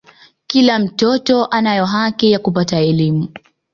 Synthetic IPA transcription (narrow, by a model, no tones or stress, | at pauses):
kilam̩tɔtɔʔanajɔɦakijakupataɛlimu